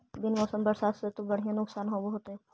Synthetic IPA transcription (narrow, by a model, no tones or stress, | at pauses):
b̪ɪnmɔːsəmbəɾsaːt̪set̪obɐɽ̤ijãnʊksaːnɦoːboɦot̪ɛ̃